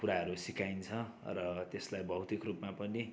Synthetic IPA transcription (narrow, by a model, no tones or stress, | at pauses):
puɾaɦʌɾusikaint͡sʰʌ | rʌt̪eslajbʱʌwt̪ikrupmapʌni